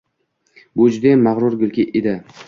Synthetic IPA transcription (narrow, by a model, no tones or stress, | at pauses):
bʊd͡ʒʊd̪emaʁɾʊɾɡʲɪlkʲɪʔed̪ɪ